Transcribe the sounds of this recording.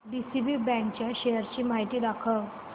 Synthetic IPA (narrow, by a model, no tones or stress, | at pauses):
bisibibɛ̃ŋk̚t͡ɕjaɕejəɾt͡ɕiːmaɦit̪iːd̪akʰə